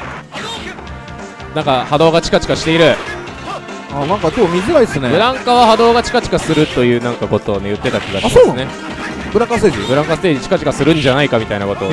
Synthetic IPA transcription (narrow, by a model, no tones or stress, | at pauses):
nãŋkahad̪o̞ːɡat͡ɕi̥kat͡ɕi̥kaɕi̥t̪e̞iɾɯ̟ | aːnãŋkakoːmʲizikaisɨnebɯ̟ɾãŋkaβahad̪o̞ːɡat͡ɕi̥kat͡ɕi̥kasɨɾɯ̟t̪o̞jɯ̟ːnãŋkako̞t̪o̞ːnejɯ̟t̪ːe̞t̪akʲiɡasoːnãne | b̥ɯɾãŋkasɨt̪eːʑibɯ̟ɾãŋkasɨ̥t̪eːd͡ʑit͡ɕi̥kat͡ɕi̥kasɨɾɯ̟̃ɲ̟d͡ʑanaikamʲit̪ainako̞t̪o̞